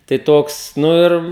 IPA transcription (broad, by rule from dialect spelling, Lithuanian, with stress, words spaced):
tɐɪ ˈtoːks ˈnʊ ɪr